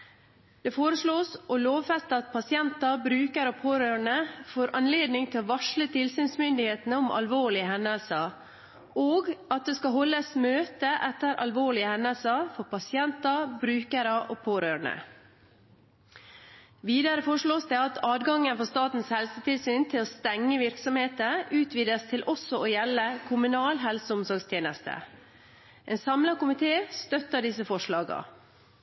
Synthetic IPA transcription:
d̪̥eːfoːɾəʂɭoːsʔɔloːʋfɛst̪əɑt̪̚pʰɑsɪɛnt̪ɑbɾʉːkəɾɔpʰoːɾøːɳəfoːɾʔɑnleːd̪nɪŋt̪ʰɪʋɑʂɭət̪ʰɪlsyːnsmʏnd̪ɪheːt̪n̩əɔmʔɑ̰lʋoːɭɪəhɛnɛlsɑ | oːɡɑt̪̚d̪eskɑɦɔlːəsmøːt̪əʔɛt̪ːəɾʔɑ̰lʋoːɭɪəhɛnɛlsɑfɔɾpɑsɪɛnt̪ɑbɾʉːkəɾəʔoːpʰoːɾøːɳə̰ | ʋiːd̪ɑɾəfɔʂɭoːsd̪ɛɑt̪ʰɑːd̪ɡɑŋːənfɔst̪ɑːt̪n̩shɛlsət̪ʰɪlsyːnt̪ʰɪloːst̪ɛŋːəʋɪɾksɔmheːt̪əʉːt̪ʰʋiːd̪əst̪ʰɪlʔɔsɔoːjɛlːəkʰʊmʉnɑːlɦɛlsəʊmsɔɾɡst̪ʰjeːnəst̪ʰə̰ | ʔɛnsɑmlɑkʊmɪt̪ʰeːst̪œt̪əɖɪsəfɔʂɭɑːɡɑ̰

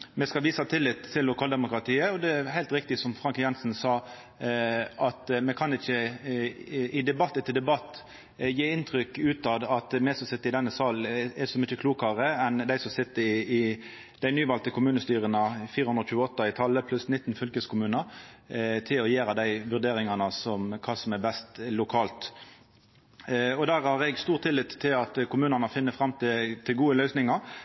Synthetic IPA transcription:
mɛskɑlʋiːsɑt̪ʰɪlːɪt̪ʰɪlːʊkʰɑːld̪ɛmʊkɾɑt̪ʰiːəɔd̪ɛɦæɪlt̪ɾɪkt̪ɪsɔmfɾʁɑŋkjɛnsnsɑː | ɑt̪mɛkʰɑnɪçːə | ɪd̪ɛbɑt̪ːət̪ʰɪld̪ɛbɑt̪ː | jeːɪnt̪ʰɾʏkːʉːt̪ɑd̪ɑt̪mɛsɔsɪt̪ːəɪd̪ɛnːəsɑːlnɛsɔmʏt͡ʃːəkʰluːkəʁəɛnd̪æɪsɔmsɪt̪ːəɪɪ | d̪̥æɪnyːʋɑlt̪əkʰʊmʉːnəst̪yːʁənəfiːɾəhʉnɾɔçʉːəɔt̪ːɑɪt̪ʰɑlːəpʰlʉsnɪt̪ːnfʏlkəskʰʊmʉːnɑ | t̪ʰɪlɔjeːɾɑd̪æɪʋʉʁd̪eːɾɪŋɑnəsɔmkʰɑːsɔmɛbɛst̪lʊkʰɑːlt̪ | ɔd̪æːʁhɑʁɛɡst̪uːʁt̪ʰːɪlːɪt̪ʰːɪlɑt̪kʰʊmʉːnɑnəfɪnːəfɾɑmːt̪ʰɪt̪ʰɪlɡuːəlœʏsnɪŋɑɾ

